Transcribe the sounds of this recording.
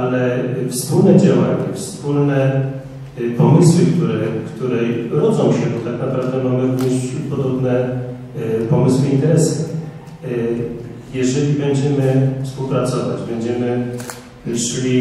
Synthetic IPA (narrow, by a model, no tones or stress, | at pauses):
alɛfspulnɛd͡ʑawaɲɛfspulnɛ | pɔmɘswɘkt̪uɾɛkt̪uɾɛɾɔd̪zɔ̃w̃ɕɛbɔt̪aknapɾavd̪ɛmamɘvɲeɕɾut̪pɔd̪ɔbnɛ | pɔmɘswɘint̪ɛɾɛs | jɛʐɛlʲibɛɲd͡ʑɛmɘfspuwpɾat̪sɔvad͡ʑbɛɲd͡ʑɛmɘ | ʂɘlʲi